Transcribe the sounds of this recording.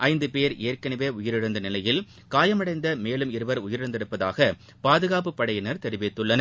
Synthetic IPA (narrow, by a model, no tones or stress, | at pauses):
ʔɐɪnd̪ɯpeːɾeːrkɐnɐʋeːʊjɪɾɪɾɯnd̪ɐnɪlɐjɪl | kaːjɐmɐɽɐɪnd̪ɐmeːlɯmɪɾɯʋɐɾʊjɪɾɪɾɯnd̪ɪɾɯpːɐða̰ːɣɐ | paːðɯɣaːp̬ɯpːɐɽɐjɪnɐɾt̪ɛɾɪʋɪt̪ːɯɭːɐnɐ